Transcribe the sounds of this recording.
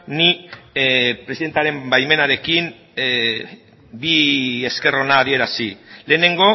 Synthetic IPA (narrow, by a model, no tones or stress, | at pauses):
ni | pɾe̞siðe̞nt̪aɾe̞mbajme̞naɾe̞kim | bie̞ske̞ronaːðie̞ɾasile̞ːne̞ŋɡo̞